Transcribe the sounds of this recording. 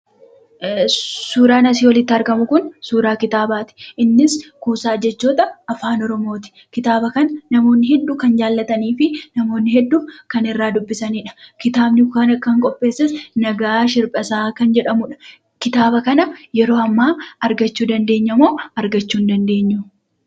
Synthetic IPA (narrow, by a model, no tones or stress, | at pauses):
suːɾaːnɐsiːwɐlɪt̪ːɪɐɾɡɐmʊkʊnsuːɾaːkɪt̪aːbaːt̪ɪ̥ʔɪnːɪskuːsaːd͡ʒɛt͡ʃːoːt̪ɐɐfaːnɔɾɔmo̞ːt̪ɪ̥ | kɪt̪aːbɐkɐnɐnɐmo̞ːnːɪɦɛd̪ːuːkɐnd͡ʒaːlːɐt̪ɐniːfɪnɐmo̞ːnːɪɦɛd̪ːuːkɐnɪrːaːd̪ʊbːɪsɐniːᶑɐ̥kɪt̪aːbnɪkaːnɐkːɐŋkʼɔpʼːe̞ːsːɛsnɐɡaːʃɪɾpʼɐsaːkɐnd͡ʒɛᶑɐmʊᶑɐ̥ | kɪt̪aːbɐkɐnɐjɛɾo̞ːɐmːaːɐɾɡɐt͡ʃːuːd̪ɐnd̪e̞ːɲːɐmoːɐɾɡɐt͡ʃːuːnd̪ɐnd̪e̞ːɲːʊ